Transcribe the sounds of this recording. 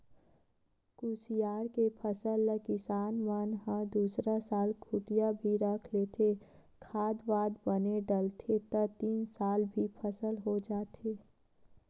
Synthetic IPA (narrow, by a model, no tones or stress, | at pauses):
kusijaːɾkepʰəsəlːəkɪsaːnmənɦə̃d̪uːsɾasaːlkʰʊʈijabʱiɾɐkʰleːt̪ʰe | kʰaːd̪ʋaːd̪bəneɖəlt̪ʰet̪ət̪iːnsaːlbʱipʰəsəlɦod͡ʒaːt̪eː